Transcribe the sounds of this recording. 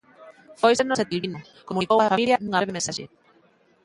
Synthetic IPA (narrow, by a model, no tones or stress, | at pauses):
fojseɾnoset̪ilβino | komunikowafamiljɐnũŋaβɾeβemẽnsaʃḛ